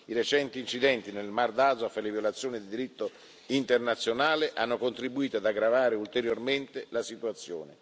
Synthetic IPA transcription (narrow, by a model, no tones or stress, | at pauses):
iɾet͡ʃɛnt̪iːnt͡ʃid̪ɛnt̪inelmard̪azoafalevjolat̪sːjoːnid̪id̪iɾit̪ːo | int̪ernat̪sːjonaːleʔanːokont̪ɾibuiːt̪oad̪aɡɾavaːɾeult̪eɾjorment̪elasit̪uat̪sːjo̰ːne